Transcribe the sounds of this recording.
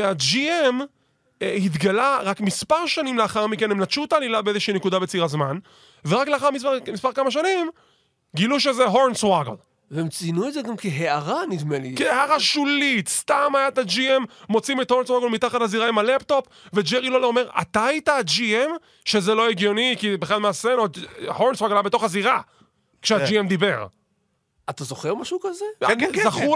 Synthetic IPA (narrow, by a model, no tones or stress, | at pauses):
ead͡ʒiem | ehit̪ɡalaʁakmispaʁʃanimleaχaʁmike̞nhemnat̪ʃut̪aːlilabeezeʃiinekud̪abet͡siʁazman | veʁakleaχaʁmispaʁmispaʁkamaʃanim | ɡiluʃezeɦo̞ʁnswaɡl | veemt͡sinuedzeɡamkiɦeaʁanidmelḭkieaʁaʃulit̪st̪amajat̪ad͡ʒiemːo̞t͡simet̪hoʁnswaɡlmit̪aχataziʁaimalept̪o̞p | ve̞d͡ʒeʁilolome̞ʁa̰t̪aitad͡ʒiem | ʃezelo̞eɡjo̞nikibeχlalmeasenohoʁnswaɡlaabet̪o̞χaziʁa | kʃead͡ʒiemd̪ibe̞ʁ | at̪azoχeʁmaʃuukazezaχu